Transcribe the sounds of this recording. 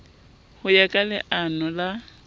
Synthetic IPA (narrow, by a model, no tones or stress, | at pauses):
hʊjakʼalɪʔanɔla